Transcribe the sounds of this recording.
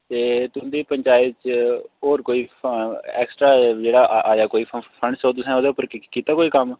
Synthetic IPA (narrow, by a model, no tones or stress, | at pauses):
t̪eːt̪ʊ̃nd̪iːpəɲt͡ʃaːjət̪t͡ʃoːɾkoːiː | ɛ̰ːksʈɾaːd͡ʒeːɽaːʔaːd͡ʒaːkoːiːpʰəɳɖsoːt̪ʊsɛ̃oːd̪eːʊpːəɾkiːt̪aːkoːiːkəm